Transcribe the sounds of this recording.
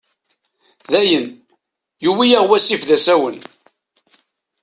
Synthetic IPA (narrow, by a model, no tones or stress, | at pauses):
ðæjən | juwijaʁwæsifðæsæwən